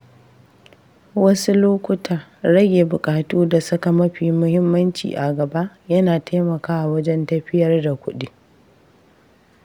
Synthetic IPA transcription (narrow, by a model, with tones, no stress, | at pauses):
wɐ˦su˦loː˦kʷʊ˦tʰa˨ɽɐ˦ɡʲeː˨bʊ˨kʼaː˨tuː˦da˨sɐ˦ka˨mɐ˦ɸiː˨mʊ˦hɪ˦mːɐ˦nt͡ʃḭː˨ʔa˨ɡɐ˨ba˦ʔ | jɐ˦naː˨tʰa˦mɐ˨kaː˦wa˨wɐ˦d͡ʒɛ˦ntɐ˦ɸɪ˦jɐ˦rda˨kʷʊ˦ɗi˦